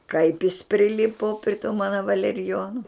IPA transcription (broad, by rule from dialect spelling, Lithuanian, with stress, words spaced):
kɐɪp jɪs pʲrʲɪˈlʲɪpʊ pʲrʲɪ tuː ˈmɑːnɐ ʋɐlʲɛrʲɪˈjoːnʊ